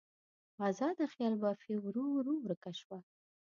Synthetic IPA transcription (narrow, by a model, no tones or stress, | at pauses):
ɑzɑd̪əxjɑlbafiwɾuɾuwɾəkaʃwa